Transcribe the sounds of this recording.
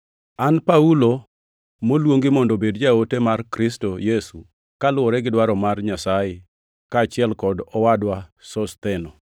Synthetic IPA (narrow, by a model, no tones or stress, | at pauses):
anpaulo | molwoŋɡɪmɔndobedd͡ʒaotemarkɾɪstojesu | kalʊwɔɾɛɡɪdwaɾɔmarɲasajɪ | kaːt͡ʃɪɛlkɔdɔwadwasɔst̪ɛnɔ